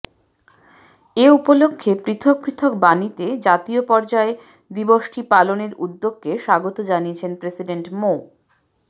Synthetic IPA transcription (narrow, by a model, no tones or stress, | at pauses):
eupolokʰːepɾit̪ʰok̚pɾit̪ʰokbanit̪ed͡ʑat̪iopɔɾd͡ʑae | d̪iboʃʈʰipaloneɾṵd̪ːoɡ̚ːeʃaɡot̪od͡ʑaniet͡ɕʰenpɾesiɖeɳʈmo